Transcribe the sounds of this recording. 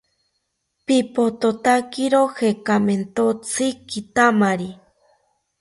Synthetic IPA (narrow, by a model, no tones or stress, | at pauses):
pipot̪ot̪akiɾohekament̪ot͡sʰikit̪amaɾi